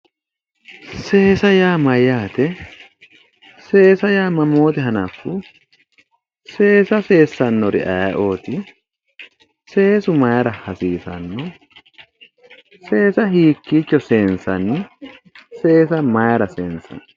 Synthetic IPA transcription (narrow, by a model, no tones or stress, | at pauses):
se̞ːsɐjaːmɐjːaːt̪ɛ | se̞ːsɐjaːmɐmo̞ːt̪ɛɦɐnɐfːʊ | se̞ːsɐse̞ːsːɐnːɔɾɪ̰ʔɐjɐʔo̞ːt̪ɪ | se̞ːsʊmɐjɐɾɐhɐsiːsɐ̰nːɔ | se̞ːsɐɦiːkːiːt͡ʃːɔse̞ːnsɐnɪ | se̞ːsɐmɐjɐɾɐseːnsɐ̰n